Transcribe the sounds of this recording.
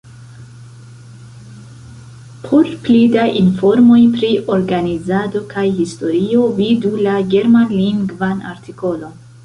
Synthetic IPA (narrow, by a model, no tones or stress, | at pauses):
pʰoɾplidaʔinfo̞ɾmo̞jpɾiʔo̞ɾɡanizado̞kajhisto̞ɾio̞vidulaɡe̞ɾmanliŋɡvanʔa̰ɾtiko̞lo̞n